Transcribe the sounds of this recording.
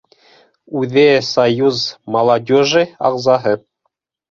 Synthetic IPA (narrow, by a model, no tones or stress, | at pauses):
ʉðɘsɐjuzmɐlˠadʲoʒɨɑ̰ʁzɑɦɤ